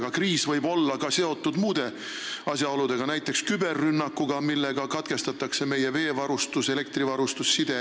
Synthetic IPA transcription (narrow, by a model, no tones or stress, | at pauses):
ɡ̥ɑkriːsvɤjbo̞lːɑkɑse̞o̞t̪ˑːud̪muːd̪̥e̞ | ɑsjɑo̞lud̪̥e̞ɡ̥ɑnæjt̪ːˑe̞kskybe̞rːynːɑkːˑuɡ̥ɑmilːe̞ɡ̥ɑkɑt̪ke̞st̪ɑt̪ːˑɑkse̞me̞jeve̞ːvɑɾust̪use̞le̞k̚t̪rivɑɾust̪usːid̪̥e̞